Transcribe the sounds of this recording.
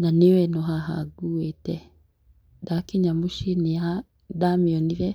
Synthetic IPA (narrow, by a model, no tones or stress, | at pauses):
naniwɛnɔɦaɦa̰ɡuɛtɛ | dakiɲamuʃinia | damiɔniɾɛ